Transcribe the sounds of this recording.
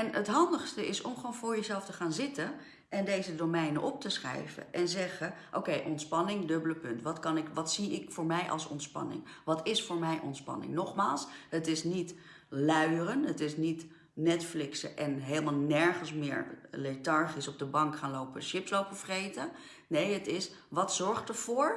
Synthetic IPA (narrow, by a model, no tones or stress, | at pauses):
ɛnətɦɑndəχstəʔɪsɔmχʋownvʊːɹjəzɛlˠftəχaːnzɪtə | ʔɛndejzədomɛjnəʔɔp̚təsχɛ̰jvə̰ʔɛnzɛχəʔo̰wkejʔɔntspɑnɪŋdɵbələpɵntʋɑtkɑnɪkʋɑtsiɪkfʊːɹmɛjʔɑ̰lˠsɔ̰ntspɑ̰nɪ̰ŋʋɑtɪsfʊːɹmɛjʔɔ̰ntspɑ̰nɪ̰ŋnɔχmaːlˠsɦətɪsnit | lœɥərənɦətɪsnit | nɛtflɪksəʔɛnɦeləmalˠnɛɹχənsmɪːɹlejtɑɹχisɔb̚dəbɑŋkχaːnlowpəʃɪpslowpəvərejtən | nejətɪsʋɑtsɔɹχtəɹv̥ʊːɹ